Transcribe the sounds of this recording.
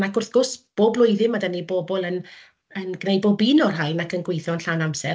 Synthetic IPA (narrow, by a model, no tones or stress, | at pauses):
nakʰʊrθɡ̥ʊsb̥oːblˠʊɨðɪmadəniboːbɔlˠən | ənɡnejbɔbinɔrɦajnakənɡwejθɔənɬawnamsɛ̰